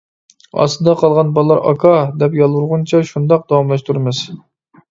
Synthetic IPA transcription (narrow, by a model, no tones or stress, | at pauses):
ɑ̰sd̪ɑqʰɑlˠʁɑnbɑlˠːɑɾʔɑ̰kʰɑd̪ɛpjɑlˠwuɾʁunt͡ʃʰɑʃund̪ɑq̚d̪̥ɑwɑmlˠɑʃt̪ʰuɾmɨz̥